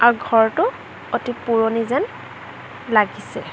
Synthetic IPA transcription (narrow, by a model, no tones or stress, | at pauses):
aɹuɡʱɔɹtʊ | otipuɹonizɛn | laɡisɛ